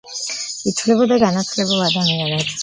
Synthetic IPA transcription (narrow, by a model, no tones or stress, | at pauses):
it̪ʰulɛbɔd̪aɡanat̪ʰulɛbulad̪amianɛ